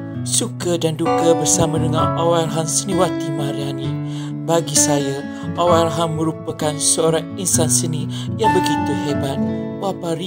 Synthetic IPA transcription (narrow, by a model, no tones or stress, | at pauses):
sukədandukəbərsamadəŋanawalɦansəniwat̪imãɾiani | baɡisaja | ʔawalɦaŋmə̃ɾupəkansəoɾaŋinsansəni | jaŋbəɡit̪uhɛbat̪̚ | wapaɾi